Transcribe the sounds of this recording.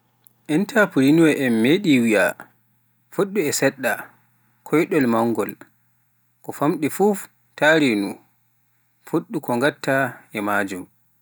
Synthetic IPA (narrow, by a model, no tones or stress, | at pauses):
ʔɛntapuɾinuwɛʔɛmːeɗiwija̰ | fuɗːuɛsɛɗːa | kʰɔjɗɔlmaŋːɡɔl | kɔfamɗifuf | taɾinu | fuɗːukɔŋɡatːaʔɛmaːd͡ʒum